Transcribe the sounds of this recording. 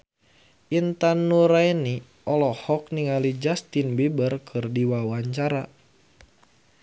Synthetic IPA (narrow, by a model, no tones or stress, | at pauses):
ʔint̪anːuɾajni | ʔɔlɔhɔk̚niŋalid͡ʒast̪inbibərkʰɨrdiwawaɲt͡ʃaɾa